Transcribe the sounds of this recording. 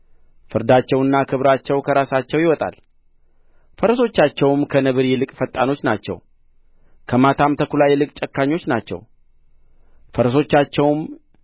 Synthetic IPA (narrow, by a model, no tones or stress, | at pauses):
fɨɾd̪at͡ʃːɛwɨnːakʰɨβɾat͡ʃːɛwkʰəɾasat͡ʃːɛwjɪwɔt̪ʼa̰l | fəɾso̞t͡ʃːat͡ʃːɛwmkʰənɨβɨɾjɛlɨkʼfət̪ʼːano̞t͡ʃːnat͡ʃːɛ̰w | kʰəmat̪ʰamt̪ʰəkulajɛlɨkʼt͡ʃʼɛkːaɲːo̞t͡ʃːnat͡ʃːɛ̰w | fəɾso̞t͡ʃːat͡ʃːɛwm